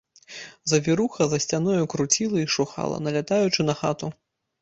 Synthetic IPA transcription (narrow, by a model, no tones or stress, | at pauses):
zɐvʲiɾuxɐzɐsʲt͡sʲanɔjukɾut͡sʲilˠɐiʂuxa̰lˠɐ̰nɐlʲat̪ajut͡ʂɨnɐxa̰t̪u